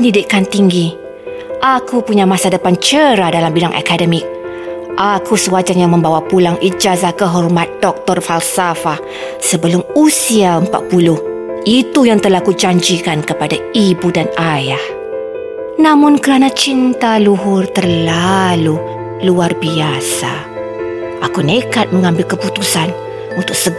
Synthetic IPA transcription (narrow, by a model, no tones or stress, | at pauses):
əndidɪkant̪iŋɡi | ʔakupuɲamãsadəpant͡ʃəɾadalambiɾaŋʔa̰kadəmɪk̚ | ʔakʰusəwad͡ʒaŋjaŋmə̃mbawapulaŋid͡ʒazahkəɦɔrmat̪̚dɔk̚t̪ɔrfalsafa | səbəlʊmusiaəmpa̰t̪̚pulʊh | ʔit̪ujaŋt̪əlahkud͡ʒaɲd͡ʒikankəpadaibudanajah | nãmʊnkəɾanat͡ʃint̪aluɦʊrt̪ərlalu | luarbiasa | ʔakunekat̪̚məŋãmbɪlkəput̪usan | unt̪ʊk̚sə